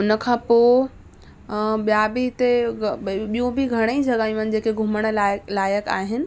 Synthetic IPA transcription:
ʊnə̆kʰãːpo | ɓijabʱit̪e | ɓijõbʱiɡʱɐɽ̃eid͡ʑʱɐɡaːj̃ũnɪ̆d͡ʑeːkeɡʱʊməɽ̃lalaːjəka̰ːɦɪnɪ̆

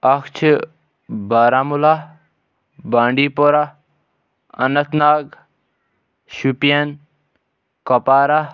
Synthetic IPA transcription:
ɐkt͡ʃʰi | baːɾaːmula | bãːɳɖiːpoɾa | ɐ̰nɐt̪naːɡ | ʃupijɐn | kɐpaːɾa

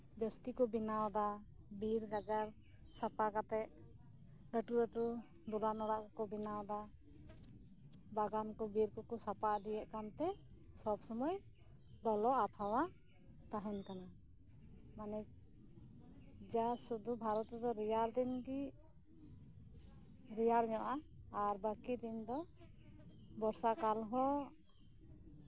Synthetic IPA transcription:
d̪əst̪ikɔbinawd̪a | biɾɡaɡaɾ | sapakat̪ɛʔ | ləʈuɾət̪u | d̪ulanɔɾaʔkɔkɔbinawd̪a | baɡankɔbiɾkɔkɔsapad̪ijɛʔkant̪ɛ | sɔbsɔmɔj | d̪ɔlɔat̪ʰawa | t̪aɦɛnkana | manɛ | d͡ʒasud̪ubʱaɾɔt̪d̪ɔɾijaɾd̪inɡi | ɾijaɾɲɔʔaː | ɾbakid̪ind̪ɔ | bɔɾsakalɦɔ

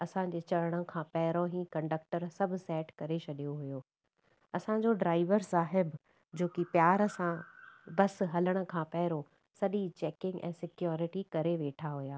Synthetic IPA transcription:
ɐsãd͡ʑeːt͡ɕɐɽəɽ̃ə̆kʰãːpɐɦɪɾoɦĩːkɐ̃ɳɖək̚ʈəɾsɐbʱʊ̆sɛːʈkɐɾet͡ɕʰɐɗijoɦujoː | ɐsã̆d͡ʑoɖɾaːɪʋəɾsaːɦɪb | d͡ʑoːkipjaːɾɐsãbɐsɦɐləɽ̃ə̆kʰãpɐɦɪɾo | sɐɗit͡ɕɛːkɪ̃ŋɡʔɛ̰̃ːsɪkjɔːɾɪʈikɐɾeʋeːʈʰaɦʊjaː

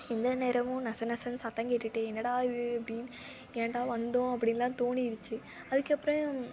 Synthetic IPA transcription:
ɪnd̪ɐneːɾɐʋʊ̃nɐsɐnɐsɐnsɐt̪ːɐ̃ŋɡeʈːɯʈːɯɛnːɐɽaːɪðɯɐpːɐɽɪn | ɛnːɐɽaːʋɐnd̪õɐpːɐɽɪnɐlãːt̪oːɳiɪɾɯt͡ʃːɯ | ɐðɯkːɐpːɾɐ̃

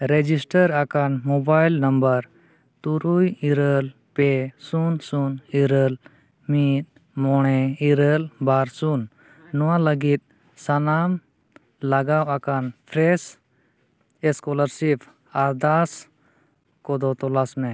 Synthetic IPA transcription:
ɾɛd͡ʒisʈəɾakanmɔbajlnəmbəɾ | t̪uɾujiɾəl | pɛsunsuniɾəl | mit̪̚ˀ | mɔɽ̃ɛiɾəlbaɾsunː | ɔwaləɡit̪̚ | sanam | laɡawakanpʰɾɛs | ɛskɔləɾsipʰ | aɾd̪as | kɔd̪ɔt̪ɔlasmɛ

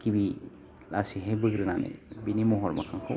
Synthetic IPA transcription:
kibi | lasiɦebɯɡɾɯnanɯ̰jbinimɔɦɔɾmɔ̰kʰaŋkʰɯ

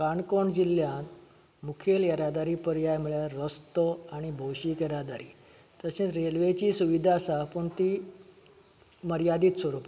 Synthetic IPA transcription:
kaɳkoɳd͡ʑilːjãn | mukʰeljəɾad̪aɾiːpəɾjajm̤uɭjaɾəst̪əaɽ̃ibʱowɕiːkjeɾad̪aɾḭː | t̪əsẽɾelʋet͡ɕiːsuʋid̪ʱasapuɳt̪i | məɾjad̪iːt̪sʋəɾupa

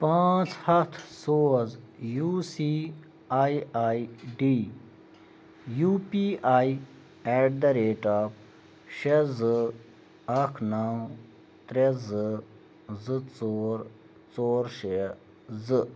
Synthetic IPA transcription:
pãːt͡shɐt̪ʰsoːzjuːsiː | aiaːiɖiː | juːpiːʔaːi | ɛʈ̚d̪ɐɾeːʈaːp | ʃezɨ | ɐkʰnaw | t̪ɾezɨ | zɨt͡soːɾ | t͡soːɾʃe | zɨ

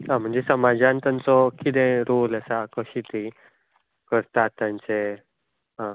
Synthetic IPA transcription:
ãm̤əɳd͡zesəmad͡zãnt̪ant͡sɔkid̪ẽɾoləsakəɕit̪i | kəɾt̪at̪ːjãnt͡se | ɦã

